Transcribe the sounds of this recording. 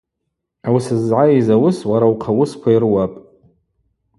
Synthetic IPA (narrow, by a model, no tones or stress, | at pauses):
awsɨzʕaizawʊswaɾawqʰawʊskʷʰairwapʼ